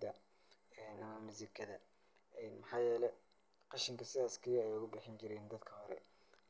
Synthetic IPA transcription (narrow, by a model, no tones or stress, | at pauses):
d̪ɐ | ɛːnɐmɐmɪsɪkʰɐðɐ | ɛːnmɑħɑːjɛːlɛj | qɑʃɪŋkʰɐsɪðaːskʰijɛjʊɣʊbɪħɪnt͡ʃɪɾɛːnd̪ɐd̪kʰɐhɔɾɛ̰